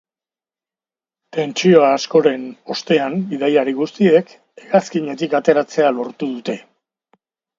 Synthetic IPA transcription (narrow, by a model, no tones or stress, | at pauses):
t̪e̞nt͡ʃio̞aːsko̞ɾe̞no̞st̪e̞ambiðajaɾiɣust̪ie̞k | e̞ɣaskiɲe̞t̪̬ikat̪e̞ɾat͡se̞alo̞ɾt̪uðut̪e̞